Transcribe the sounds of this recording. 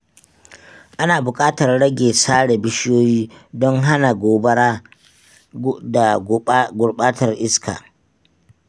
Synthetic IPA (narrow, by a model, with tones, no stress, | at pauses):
ʔa˦naː˨bʊ˨kʼaː˦tɐ˨rɽɐ˦ɡʲeː˨saː˦ɽe˨bɪ˦ʃjoː˦jiː˦dɔ˦ŋɦa˦na˨ɡʷoː˨bɐ˦ɾa˦ | da˨˦ɡʊ˨ɽɓaː˦tʰɐ˨rʔɪ˦skʰa̰ː˨